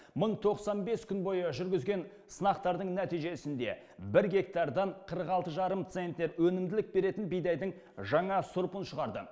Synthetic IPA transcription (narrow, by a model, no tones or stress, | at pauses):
məɴt̪ʰo̞qsɑnbe̞skʲʰʏnbo̞jəʒʏɾɡʲɪzɡʲe̞n | sənɑqt̪ɑɾd̪əɴnæt̪ijʒe̞sɪnd̪e̞̰ | bɪɾɡʲe̞kt̪ɑɾd̪ɑɴqʰəɾəqɑlˠt̪əʒɑɾəmt̪se̞nt̪ːe̞ɾwɵnɪmd̪ɪlɪk̚be̞ɾe̞t̪ɪnbijd̪ɑjd̪əɴ | ʒɑɴɑsʊɾpənʃəʁɑɾd̪ə